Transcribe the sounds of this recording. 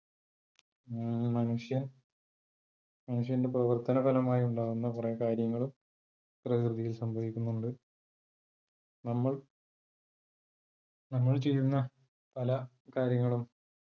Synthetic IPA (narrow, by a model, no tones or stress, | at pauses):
mɐnuʂjɐn | mɐnuʂjɐnde̞prɐʋɐrt̪ɐnɐbɐlɐmaːjuɳɖaːʋunːɐkurekaːɾjɐŋːɐɭum | krɐkrɨðijilsɐmbʱɐʋikʲːunːuɳɖɨ | nɐmːɐɭ | nɐmːɐɭt͡ɕe̞jtunːɐ | pɐlɐ | kaːɾjɐŋːɐɭum